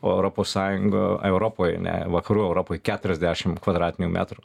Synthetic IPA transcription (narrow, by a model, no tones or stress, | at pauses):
o̰ːɛʊɾoːpoːssɑːjʊŋɡo̰ɛʊɾoːpoːjɐ̰nʲɛ̰ʋɐkɐɾuːɛʊɾoːpoːjkʲæːt̪ʊɾʲɛzʲd̪ʲæʃʲɪmkʋɐd̪ɾɑːt̪ʲɪnʲuːmʲæ̰ːt̪ɾu